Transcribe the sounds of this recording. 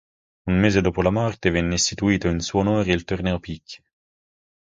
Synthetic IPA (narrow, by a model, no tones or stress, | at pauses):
unmeːzed̪oːpolamɔrt̪evɛnːeist̪it̪uiːt̪oinsuonoːɾeilt̪ornɛːopikʰːi̥